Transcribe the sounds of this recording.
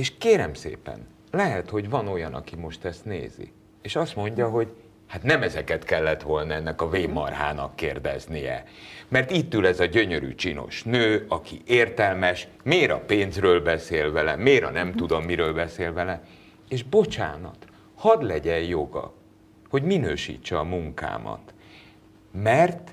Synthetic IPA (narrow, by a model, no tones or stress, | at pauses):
eːʃkeːɾɛmsḛːpɛ̰n | lɛɦɛt̪ho̞ɟvɒno̞jɒnɒ̰kimo̞ʃt̪ɛst̪nḛːzḭ | eːʃɒst̪mo̞ɲɟɒɦo̞ɟ | haːt̪nɛmɛzɛkɛt̪kɛlːɛt̪ʋo̞lnɒɛnːɛkɒveːmːɒ̰rɦa̰ːnɒ̰kːeːrd̪ɛ̰znijɛ̰mɛrt̪it̪ːylɛzɒɟø̞ɲø̞ɾy̰t͡ʃino̞̰ʃnøːɒkiʔeːrt̪ɛlmɛʃ | meːɾɒ̰peːnzrøːlbɛseːlvɛlɛ̰meːɾɒ̰nɛmt̪ud̪o̞mːiɾøːlbɛseːlvɛlɛ | eːʒbo̞t͡ʃa̰ːnɒ̰t̪ | hɒd̪lɛɟɛjjo̞ɡɒ̰ | ho̞ɟminøːʃḭːt͡ʃːɛɒmuŋka̰ːmɒ̰t̪ | mɛrt̪